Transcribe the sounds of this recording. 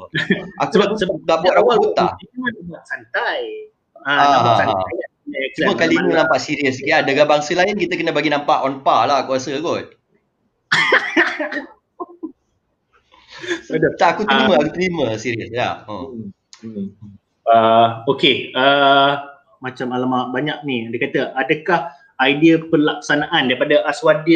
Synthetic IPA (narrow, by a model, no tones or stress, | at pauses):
ʔakəasəadaʔbuat̪̚ɾawaɡut̪a̰iadabuaʔsant̪aj | aaaɦaaaajaʔɛkt͡ʃumakalininãmpaʔsiɾiəs̬kiadaɡabaŋsəlaɪnkit̪əkənəbaɡinãmpaʔɔnpalahkuɾasəɡɔt̪̚ | dət̪aʔakut̪əɾimãakut̪əɾimə̃siɾiəsja̰ə̰ | əokeə | mat͡ʃamalamabaɲak̚niadəkat̪əʔadəkah | ajdiəpəlak̚sanaʔandaɾipadaʔaswadi